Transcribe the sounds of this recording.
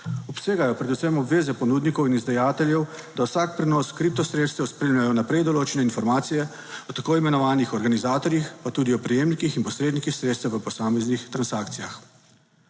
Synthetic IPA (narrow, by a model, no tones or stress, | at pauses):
ɔpseːɡajɔpɾɛd̪usɛmɔbʋeːzɛpɔnuːd̪nikɔwinizd̪ajaːt̪ɛljɛw | d̪awsaːk̚pɾɛnɔskɾip̚t̪ɔsɾeːt̪st̪ɛwspɾeːmlʲajɔnapɾɛjd̪ɔloːt͡ʃɛnɛinfɔɾmaːt̪sijɛ | ɔt̪akoːimɛnɔʋaːnixɔɾɡanizaːt̪ɔɾjixpat̪uːd̪iɔpɾɛjeːmnikixinpɔsɾeːd̪nikixsɾeːt̪st̪ɛʋəpɔsaːmɛznixt̪ɾansaːkt̪sijax